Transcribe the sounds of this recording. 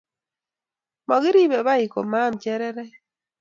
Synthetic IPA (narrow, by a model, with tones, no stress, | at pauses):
mɔ˨ɡɪ˦ɾi˦bɛ˨βa˦ɪ˨ko̰˨ma˦mt͡ʃɛ˦ɾɛ˦ɾɛ˦